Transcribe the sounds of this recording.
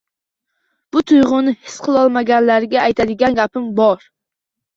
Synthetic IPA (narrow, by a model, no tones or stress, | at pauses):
b̥ʊt̪ʰʊjʁʊnɪhɪ̥sqʰɨlˠɒlˠmaɡʲanlaɾɪɡʲaːjt̪ʰad̪ɪɡʲanɡʲapɪmbɒɾ